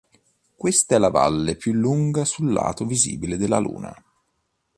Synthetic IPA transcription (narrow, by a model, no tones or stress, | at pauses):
kwest̪aɛlːava̰lːepjulːuŋɡasulːa̰ːt̪ovizḭːbiled̪elːalṵːna̰